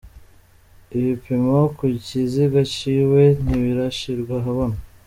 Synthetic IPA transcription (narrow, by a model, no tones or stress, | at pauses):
iβipimokuciziɡaciwen̥iβiɾaʃiɾɡwaɦaβo̞na